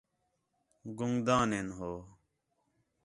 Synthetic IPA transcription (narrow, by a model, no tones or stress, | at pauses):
ɡuŋd̪ãːneːnɦoː